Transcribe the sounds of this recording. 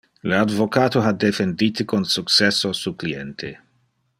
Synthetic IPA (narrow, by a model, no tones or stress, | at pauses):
ləad̪vokaːt̪oɦad̪efend̪iːt̪ikonsuksɛsːosuklient̪ʰe